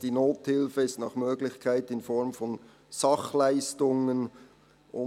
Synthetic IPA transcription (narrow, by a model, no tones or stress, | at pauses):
d̥iːnoːthɪlfəɪstnɑːχmøːɡlɪçkʰaɪtɪnfɔɹmfɔn | sɑχlaɪstʊŋən | ʔʊ